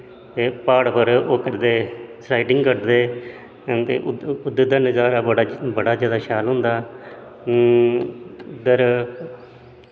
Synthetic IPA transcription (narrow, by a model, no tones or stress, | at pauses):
t̪eːpaːɽpʰəɾoːkəɾd̪eːsaːiʈɪŋɡkəɾd̪eː | t̪ḛːʔʊd̪əd̪aːnəzaːɾaːəɽabəɽaːzaːd̪aːʃaːlɦʊ̃nd̪aː | ʊd̪əɾ